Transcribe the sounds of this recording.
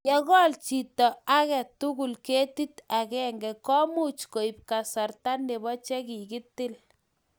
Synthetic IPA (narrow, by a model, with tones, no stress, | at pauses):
jɔ˦kɔ˦lt͡ʃitɔ˨a˦kɛ˨tːuku˨lke˦ti˦takɛŋɡɛkɔ˦mu˦t͡ʃko˨ip̚ka˨sa˨rta˦nːe˨bɔ˦t͡ʃɛ˦ki˨ki˦tɪ˦l